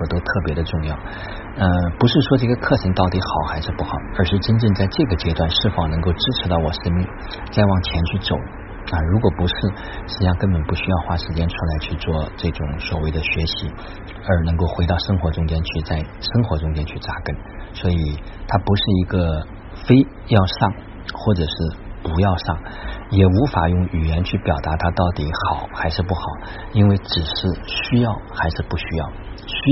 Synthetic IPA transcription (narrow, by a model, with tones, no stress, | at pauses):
ɔ˥˩t̪o˥ʊt̪ʰɤ˥˩pjɛ˧˥d̪ə˧ʈ͡ʂʊ˥˧ŋjɑ˥˩ʊ | ə˧pu˧˥ʂɻ̩˥˩ʂwɔ˥ʈ͡ʂɤ˥˩ɡə˩kʰɤ˥˩ʈ͡ʂʰɤ˧˥ŋt̪ɑ˥˩ʊt̪i˧˥xɑ˨˩˦ʊxa˧˥ɪʂɻ̩˥˧pu˥˩xɑ˨˩˦ʊə˞˧˥ʂɻ̩˥˩˧ʈ͡ʂə˥nʈ͡ʂɤ˥˧ŋt͡sa˥˧ɪʈ͡ʂɤ˥˩ɡə˩t͡ɕjɛ˥t̪wa˥˩nʂɻ̩˥˩fɑ˨˩ŋnɤ˧˥ŋko˥˧ʊʈ͡ʂɻ̩˥ʈ͡ʂʰɻ̩˧˥t̪ɑ˥˩ʊwɔ˨˩ʂə˥nmi˥˩ŋ | t͡sa˥˧ɪwɑ˥˩ŋt͡ɕʰjɛ˧˥nt͡ɕʰy˥˩t͡so˨˩ʊ | ə˧ɻu˧˥kwɔ˨˩pu˧˥ʂɻ̩˥˩ | ʂɻ̩˧˥˩jɑ˥˧ŋkə˥npə˨˩npu˥˩ɕy˥jɑ˥˧ʊxwa˥ʂɻ̩˧˥t͡ɕjɛ˥nʈ͡ʂʰu˥la˧˥ɪt͡ɕʰy˥˧t͡swɔ˥˧ʈ͡ʂɤ˥˩ʈ͡ʂʊ˨˥˦ŋswɔ˨˩we˥˩ɪd̪ə˩ɕɥɛ˧˥ɕi˧˥ | ə˞˧˥nɤ˧˥ŋko˥˩ʊxwe˧˥t̪ɑ˥˩ʊʂɤ˥ŋxwɔ˧˥ʈ͡ʂʊ˥ŋt͡ɕjɛ˥nt͡ɕʰy˥˧t͡sa˥˩ɪ | ʂɤ˥ŋxwɔ˧˥ʈ͡ʂʊ˥ŋt͡ɕjɛ˥nt͡ɕʰy˥˩ʈ͡ʂa˥˩kə˥˩n | swɔ˧˥i˨˩ | t̪ʰa˥pu˧˥ʂɻ̩˥˩i˧˥ɡə˧ | fe˥ɪ | jɑ˥˧ʊʂɑ˥˩ŋ | xwɔ˥˩ʈ͡ʂɤ˨˩ʂɻ̩˥˩pu˧˥jɑ˥˧ʊʂɑ˥˩ŋjɛ˨˩u˧˥fa˨˩jʊ˥˩ŋy˨˩jɛ˧˥nt͡ɕʰy˥˩pjɑ˨˩t̪a˧˥t̪ʰa˥t̪ɑ˥˩ʊt̪i˨˩˥xɑ˨˩˦ʊxa˧˥ɪʂɻ̩˥˧pu˥˩xɑ˨˩˦ʊ | i˥nwe˥˩ɪʈ͡ʂɻ̩˨˩ʂɻ̩˥˧ɕy˥jɑ˥˩ʊxa˧˥ɪʂɻ̩˥˧pu˥˩ɕy˥jɑ˥˩ʊɕ